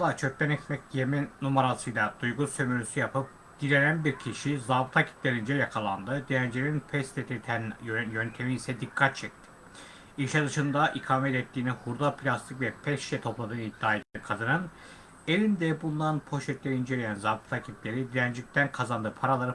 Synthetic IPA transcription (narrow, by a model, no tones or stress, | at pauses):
lˠat͡ʃʰøp̚ʲt̪ænɛt̪mɛcjemɛnumaɾasɯjlˠad̪ujɡusømyɾysyjapʰɯp̚ | ɟ̪̥iɾeɾænbiɾcʰiʃizabɯt̪ʰacʰi̥plʲeɾind͡ʒɛjakʰalˠand̪ɯd̪ijænd͡ʒeɾinpʰɛst̪ʰet̪ʰit̪ʰænjønt̪ʰe̞miːsɛd̪ikʰːat̪̚t͡ʃʰɛc̚t̪ʰɪ̥ | iʃʲad̪ɯʃɯnd̪aʔikʰaːmɛt̪ɛt̪ʰːiːnihuɾd̪apʰlʲast̪ʰɯkvɛpʰɛʃʃɛt̪ʰo̞plˠad̪ɯːnid̪ːaːjt̪ːkʰad̪ɯnɯn | elʲind̪ɛbund̪anpʰo̞ʃɛt̪lʲeɾind͡ʒelʲejænzabɯt̪ʰacʰiplʲe̞ɾid̪iænd͡ʒic̚ʲt̪ʰænkʰazand̪ɯpʰaɾalˠaɾɯ